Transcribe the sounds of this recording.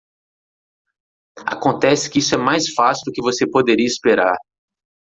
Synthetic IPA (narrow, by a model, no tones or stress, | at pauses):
a̰kõnt̪ɛsɪ̥kɪisʊɛmajsfasiud̪ʊkɪvosepod̪eɾiɐispeɾa̰ɾ